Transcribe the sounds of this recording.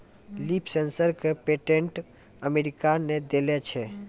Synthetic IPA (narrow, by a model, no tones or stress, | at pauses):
lipʰsensəɾkepeʈeɳʈ | əmeɾikaned̪elɛt͡ʃʰɛ